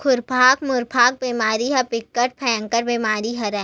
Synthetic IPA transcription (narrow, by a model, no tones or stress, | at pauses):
kʰʊɾpʰaːkmʊɾpʰaːk̚biːmaːɾiɦɛpɪkːəʈ̚pʰɛ̃ːŋkəɾbiːmaːɾiɦɐɾɛ̃ː